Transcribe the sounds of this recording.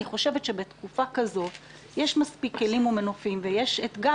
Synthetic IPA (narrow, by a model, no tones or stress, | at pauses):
iχo̞ʃevetʃebe̞t̪kufakazo̞t | jeʃmaspikːe̞limumenofimvejeʃet̪ɡa